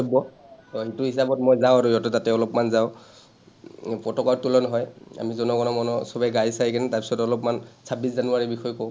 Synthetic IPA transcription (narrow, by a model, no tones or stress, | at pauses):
ɔbɔ | ɔɦituɦisabɔtmɔjzaw̃aɹujɔtɔtatɛɔlɔpmanzaʊ | pɹɔtɔkaɹtulɔnɔɦɔja̰mizɔnɔɡɔnɔmɔnɔsɔbajɡajsajkanɛtaɹpi̥sɔtɔlɔpmansʰabiszanʊaɹibixɔjkɔʊ